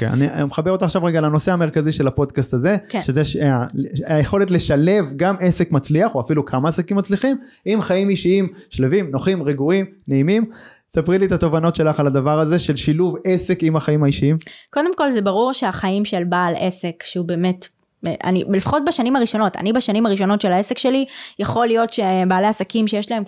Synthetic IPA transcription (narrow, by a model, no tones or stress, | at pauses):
okḛa̰nimeχabeʁot̪aχʃavʁeɡalano̞seame̞ʁkaziʃe̞lapo̞d̪kast̪aze̞ʃezeʃaajeχo̞le̞tle̞ʃale̞vɡame̞se̞kmat͡sliaχoafilukʰamaːsakimat͡sliχim | imχaimiʃiimʃlevimno̞χimʁeɡuimneimim | sapʁiliet̪at̪o̞vano̞tʃe̞laχalad̪avaʁaze̞ʃe̞lʃiluve̞se̞kimaχaimhaiʃiimko̞d̪e̞mko̞lzebaʁuʁʃeaχaimʃelbale̞se̞kʃeube̞ːme̞t | ʔa̰nilefḁχo̞t̚baʃanimaʁiʃo̞no̞ta̰nibaʃanimaʁiʃo̞no̞tʃelaese̞kʃe̞lijaχo̞lijo̞tʃe̞baːleasakimʃejeʃlaem